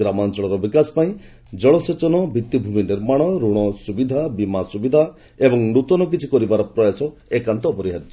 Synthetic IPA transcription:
ɾamant͡ʃɔɭɔɾɔbikasɔ̥paĩ | d͡ʒɔɭɔset͡ʃɔnɔbʱit̪ːibʱuminɖeɾmaɽ̃ɔɾuɽ̃ɔsubid̪ʱabimasubid̪ʱa | ebɔŋnut̪ɔnɔk̬it͡ʃʰikɔɾibaɾɔpɾɔjasɔ | ekant̪ɔːpɔɾiɦaɾitɔ

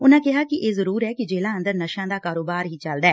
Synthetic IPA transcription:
ʊnãːkɪɦaːkɪʔeːzəɾuːɾɛːkɪd͡ʒeːlãːə̃nd̪əɾnəʃãːd̪aːkaːɾoːbaːɾɦiːt͡ʃəld̪aɛː

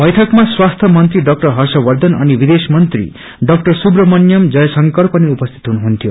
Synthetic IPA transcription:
bʌjʈʰʌkmaswast̪ʰjʌmʌnt̪ɾiɖʌk̚ʈʌrɦʌrsʌbʌrd̪ʌnʌ̰nibid̪esmʌnt̪rḭ | ɖʌk̚ʈʌrsubrʌmʌnjʌmd͡zʌjʌsʌŋkʌɾpʌniupʌst̪ʰi̥t̪ɦunuɦunt̪ʰjo

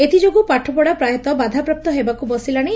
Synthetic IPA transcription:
et̪ʰid͡ʒoɡupaʈʰɔpɔɽapɾajɔt̪ɔbad̪ʱapɾɔp̚t̪ɔɦebakubɔsilaɽ̃i

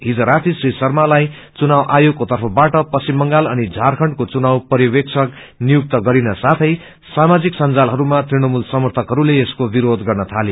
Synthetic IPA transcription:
ɦid͡zʌɾat̪ʰisrisʌrmalaj | t͡sunawʔajoɡ̚kːot̪ʌrpʰʌbaʈʌpʌsimːʌŋɡalʌnid͡zʱarkʰʌɳɖkot͡sunawpʌɾjiwek̚t͡sʰʌk | nijuk̚t̪ʌɡʌɾinʌsat̪ʰʌj | samad͡ziksʌnd͡zalɦʌɾumat̪riɽ̃ʌmulsʌmʌrt̪ʰʌkɦʌɾuleːskobiɾod̪ɡʌrnʌt̪ʰale

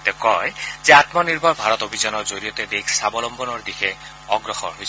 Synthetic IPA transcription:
t̪ɛkɔjzɛat̪mɔniɹbʱɔɹbʱaɹɔt̪obʱizɔnɔɹzoɹijɔt̪ɛdekʰsabɔlɔmbʱɔnɔɹd̪ixʰɛ | ɔɡɹɔxɔ̰nɦojʰɛ

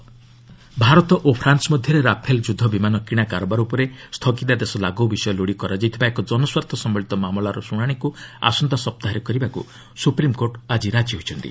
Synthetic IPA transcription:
bʱaɾɔt̪ɔʔopʰɾansɔmɔd̪ʱjɔɾeɾapʰeld͡ʒud̪ʱɔbimanɔkiɽ̃akaɾɔbaɾupɔɾest̪ʰɔkit̪ad̪esɔlaɡɔbisɔjɔloɽikɔɾad͡ʒajt̪ʰibaekɔd͡ʒɔnɔswaɾt̪ʰɔsɔmbɔɭit̪ɔmamɔlaɾɔsuɽ̃aɽ̃ikua̰sɔnt̪ɔsɔp̚t̪aɦaɾɔkɔɾibakṵ | supɾimkoɾʈad͡ʒiɾad͡ʒiɦot͡ʃʰɔnt̪ḭ

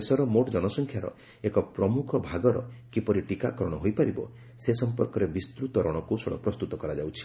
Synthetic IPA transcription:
sɔɾɔmoʈd͡ʒɔnɔsɔŋkʰjaɾɔ̰ | ekɔpɾɔmukʰɔbʱaɡɔɾɔ̰kipɔɾiʈikakɔɾɔɽ̃ɔɦojpaɾibɔ̰ | sesɔmpɔɾkɔɾebist̪ɾut̪ɔɾɔɽ̃ɔkusɔɽɔ̰pɾɔst̪ut̪ɔkɔɾad͡ʒawt͡ʃʰi̥

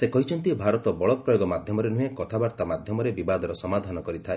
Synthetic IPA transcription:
sekɔɦit͡ʃʰɔnt̪ibʱaɾɔt̪ɔbɔɭɔpɾɔjoɡɔmad̪ʱjɔmɔɾenuɦekɔt̪ʰabaɾt̪amad̪ʱjɔmɔɾebibad̪ɔɾɔsɔmad̪ʱanɔkɔɾit̪ʰae

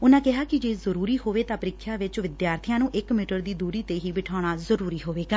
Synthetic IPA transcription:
ʊnãːkɪɦaːkɪd͡ʒeːzəɾuːɾiːɦoːʋeːt̪ãːpəɾɪkʰjãːʋɪt͡ʃʋɪd̪jaːɾt̪ʰɪjãːnũːʔɪkmɪːʈəɾd̪iːd̪uːɾiːt̪eːɦiːbɪʈʰaːɽ̃aːzəɾuːɾiːɦoːʋeːɡaː

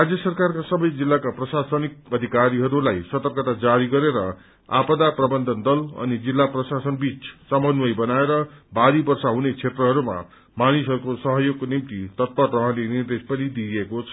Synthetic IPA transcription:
rad͡zjʌsʌrkarkasʌbʌjd͡zilːakaprʌsasʌnik̚ʌd̪ʱikaɾiɦʌɾulajsʌt̪ʌrkʌt̪ad͡zaɾiɡʌɾeɾʌ | a̰pʌd̪aprʌbʌnd̪ʱʌnd̪ʌlʌ̰nid͡zilːaprʌsasʌnbit͡sʰsʌmʌnwʌjbʌnaeɾʌbaɾibʌrsaɦunet͡sʰet̪rʌɦʌɾuma̰ | manisɦʌɾukosʌɦʌjoɡ̚konimt̪it̪ʌt̪̚pʌrtʌɦãlenird̪espʌnid̪iekot͡sʰʌ

